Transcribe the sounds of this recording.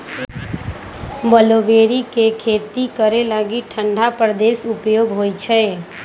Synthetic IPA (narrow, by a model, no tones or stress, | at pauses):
bəloʋeːɾikekʰeːt̪ikəɾeləɡiʈʰə̃ɳɖʱapɾəd̪esʊpjoːɡɦojt͡ʃʰɛ